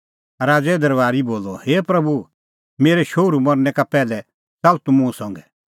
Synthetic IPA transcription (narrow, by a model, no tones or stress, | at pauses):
ɾaːd͡zɛd̪ɐɾʋaːɾiboːlɔheːpɾɐbu | meːɾɛʃoːɾumɐɾnɛkapɛːlɛ | t͡sɐlt̪umũũsɔ̃ŋɡɛ